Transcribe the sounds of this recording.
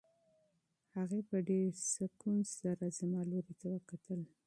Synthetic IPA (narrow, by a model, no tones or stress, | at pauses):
haɣepəɖeɾsəkunzzaɾazamɑloɾit̪awəkat̪əl